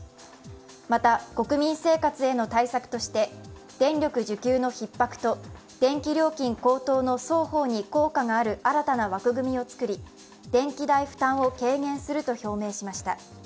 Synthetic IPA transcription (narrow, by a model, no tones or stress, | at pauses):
mat̪ako̞kɯ̟mʲĩɰ̃se̞ːkat͡sɨe̞no̞t̪aisakɯ̟̥t̪o̞ɕi̥t̪e̞d̪̥ẽ̞nʲɾʲo̞kɯ̟ʑɨkʲɨːno̞çipːakɯ̥t̪o̞ | d̪̥ẽ̞ŋkʲiɾʲo̞ːkʲĩŋko̞ːt̪o̞ːno̞so̞ːho̞ːɲ̟iko̞ːkaŋaːɾɯ̟aɾat̪anaβakɯ̟ɡɯ̟mʲio̞t͡sɨ̥kɯ̟ɾʲi | d̪̥ẽ̞ŋkʲid̪aiɸɯ̟̥t̪ãɰ̃o̞ke̞ːŋẽ̞ɰ̃sɨɾɯ̟t̪o̞ço̞ːme̞ːɕimaɕi̥t̪a